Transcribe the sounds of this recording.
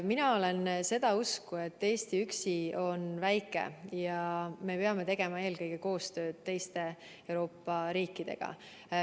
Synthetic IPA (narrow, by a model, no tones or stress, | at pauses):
minɑo̞le̞nse̞d̪ɑuskue̞t̪ːe̞ːst̪iyksio̞nvæjkːˑe̞̰jɑme̞peɑme̞t̪e̞ɡ̥e̞mɑe̞ːlkɤjɡ̥e̞ko̞ːst̪ø̞ːd̪̥̚t̪ːe̞jst̪e̞ | ewɾo̞ːpːˑɑɾiːkːˑid̪̥e̞̰ɡ̥ɑ̰